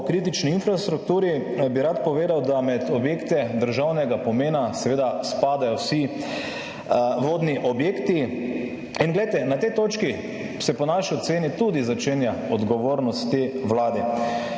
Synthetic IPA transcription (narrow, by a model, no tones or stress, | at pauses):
kɾiːt̪it͡ʃniinfɾast̪ɾukt̪uːɾibiɾat̪pɔʋeːd̪awd̪amɛt̪ɔbjeːkt̪ɛd̪əɾʒawnɛɡapɔmeːnasɛʋeːd̪aspaːd̪ajɔwsi | ʋoːd̪niʔɔbjeːkt̪i | inɡlɛjt̪ɛnat̪ɛjt̪oːt͡ʃki | sɛpɔnaʃiɔt̪seːnit̪ud̪izat͡ʃeːnjaɔd̪ɡɔʋoːɾnɔst̪ːewlaːd̪ɛ